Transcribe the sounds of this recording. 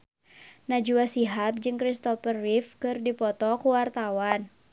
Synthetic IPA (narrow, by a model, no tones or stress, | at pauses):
nad͡ʒuasiɦap̚d͡ʒɨŋkɾist̪ɔfərifkɨrdipɔt̪ɔkuwart̪awan